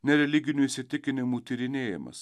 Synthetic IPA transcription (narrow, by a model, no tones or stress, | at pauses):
nʲɛɾʲɛlʲɪɡʲɪnʲuːisʲɪt̪ʲɪkʲɪnʲɪmuːt̪ʲiɾʲɪnʲeːjɪ̰mɐ̰s